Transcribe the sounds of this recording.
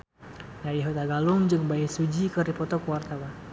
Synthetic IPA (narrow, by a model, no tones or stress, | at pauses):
jaiɦot̪aɡalʊŋd͡ʒɨŋbaisud͡ʒikəɾipɔt̪ɔkuwart̪awa